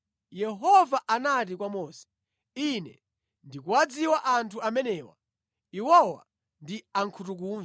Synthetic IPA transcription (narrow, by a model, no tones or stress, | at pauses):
jɛɦɔvaʔanat̬ikwamɔːsɛ̥ | inɛ̰ | ndikuwad͡ziwaʔantʰuamɛnɛːwa̰ | iwɔwa̰ | ndiaŋkʰutuk̬uːnz